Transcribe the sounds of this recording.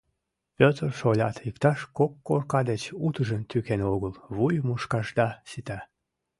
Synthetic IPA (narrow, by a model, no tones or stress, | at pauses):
pʲøt̪ərʃolʲɑ̰t̪ikt̪ɑʃkokːorkɑd̪et͡ɕut̪əʒənt̪ykenoɣəlβujmuʃkɑʒd̪ɑsit̪æ